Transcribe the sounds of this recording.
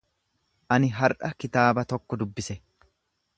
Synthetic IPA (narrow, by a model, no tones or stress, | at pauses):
ʔɐnɪɦɐɾʔɐkɪt̪aːbɐt̪ɔkːɔd̪ʊbːɪsɛ